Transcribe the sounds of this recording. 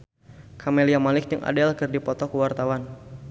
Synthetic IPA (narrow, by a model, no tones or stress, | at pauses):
kʰameliamalɪk̚dəŋʔa̰dɛlkɨrdipɔt̪ɔkuwart̪awan